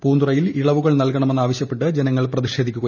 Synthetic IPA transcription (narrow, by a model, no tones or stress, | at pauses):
puːnd̪urɐjiliɭɐʋuɣɐɭnɐlkɐɳɐmenːaːʋɐɕjɐpːe̞ʈːɨd͡ʑenɐŋːɐɭprɐðiɕe̞ːd̪ʱikʲːuɣɐ